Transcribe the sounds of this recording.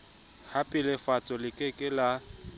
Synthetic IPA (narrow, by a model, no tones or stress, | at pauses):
hapʼɪlɪfat͡sʼɔlɪkʼekʼɪla